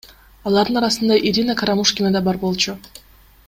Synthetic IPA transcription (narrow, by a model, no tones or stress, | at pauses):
ɑlˠɑɾd̪ɯnɑɾɑsɯnd̪ɑʔiɾʲinakaɾamuʃkʲinad̪ɑbɑɾbo̞lˠt͡ʃu